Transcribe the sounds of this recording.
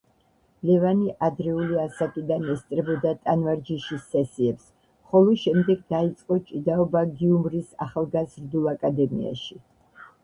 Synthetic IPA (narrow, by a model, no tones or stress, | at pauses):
lɛvaniʔad̪ɾɛuliasakʼid̪anɛst̪ʼɾɛbɔd̪at̪ʼanvaɾd͡ʒiʃisːɛsiɛps | χɔlˠɔʃɛmd̪ɛɡ̚d̪ait̪sʼqʼɔt͡ʃʼid̪aɔbaɡiumɾisa̰χalˠɡazɾd̪ulˠakʼad̪ɛmḭa̰ʃi